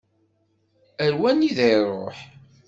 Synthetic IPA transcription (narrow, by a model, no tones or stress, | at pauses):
əɾwæniðejrˤo̰ħ